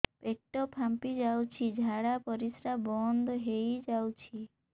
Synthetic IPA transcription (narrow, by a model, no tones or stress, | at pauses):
pekʈɔpʰampid͡ʒawt͡ʃʰid͡ʒʱaɽapɔɾisɾabɔnd̪ɔɦejd͡ʒawt͡ʃʰi